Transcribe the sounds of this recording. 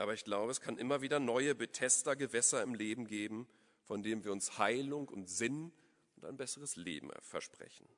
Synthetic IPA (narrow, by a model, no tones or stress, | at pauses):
ʔaːbɐɪçɡ̥laʊbəɛskʰanʔɪmɐviːdɐnɔʏəbətʰɛstɐɡəvɛsɐɪmleːbm̩ɡeːbm̩ | fɔndeːnənviːɐʊnshaɪlʊŋʊntz̥ɪn | ʔʊntaɪnbɛsəʁ̞əslḛːbm̩̰fɛ̰ɐʃpʁ̥ɛ̰çn̩